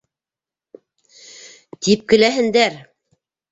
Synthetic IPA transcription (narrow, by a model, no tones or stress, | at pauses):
t̪ip̚kɘ̆læɦɘ̆nd̪æɾ